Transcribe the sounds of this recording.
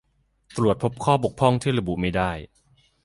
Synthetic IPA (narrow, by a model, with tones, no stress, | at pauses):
t̪ɾu˨˩ət̪̚pʰo˦˥p̚kʰɔː˥˩bo˨˩k̚pʰɔ˥˩ŋt̪ʰiː˥˩ɾa˧bṵ˨˩ʔma˥˩jdaː˥˩j